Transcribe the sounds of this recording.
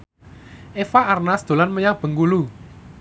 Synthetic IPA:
ʔefaʔarnasd̪̥o̤lanməɲab̥ə̤ŋɡulu

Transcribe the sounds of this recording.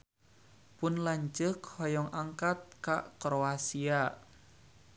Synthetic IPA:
pʊnlaɲt͡ʃəkhɔjɔŋʔaŋkat̪̚kaʔkɾoasia

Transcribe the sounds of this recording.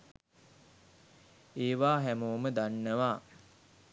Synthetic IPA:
eːʋaːɦæmoːməd̪anːəʋaː

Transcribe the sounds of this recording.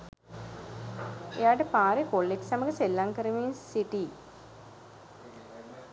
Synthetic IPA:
ḛjaːʈəpaːɾekolːeksaməɡəselːaŋkəɾəʋiːnsiʈiː

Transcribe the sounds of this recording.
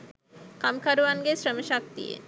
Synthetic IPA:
kamkaɾuʋanɡesɾəməʃak̚t̪ḭjḛ

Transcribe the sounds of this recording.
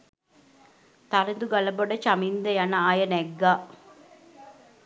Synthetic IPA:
t̪aɾind̪uɡaləboɖət͡ʃamind̪əjanəaːjənɛɡːaː

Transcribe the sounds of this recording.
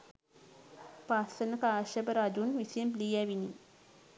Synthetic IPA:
pasənəkaːʃəbəɾad͡ʒunʋisiəmpliːæʋini

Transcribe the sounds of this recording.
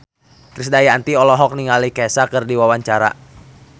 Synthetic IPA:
k̪ɾisdajaːnt̪iɔlɔɦɔk̚niŋalikɛsakɨrdiwawaɲt͡ʃaɾa̰

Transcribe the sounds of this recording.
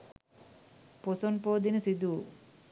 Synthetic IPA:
posonpoːd̪inesid̪uː

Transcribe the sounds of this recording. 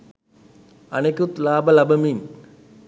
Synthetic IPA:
ɐnekʲut̪laːbɐlɐbɐmin

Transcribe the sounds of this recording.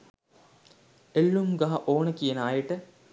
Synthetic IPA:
elːumɡɐɦɐʔoːnəkijenaːjəʈə

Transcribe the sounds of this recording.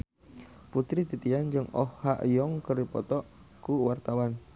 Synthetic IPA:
put̪ɾit̪it̪iand͡ʒɨŋɔ̰hːa̰ʔjɔŋkərdipɔt̪ɔʔkuwart̪awan

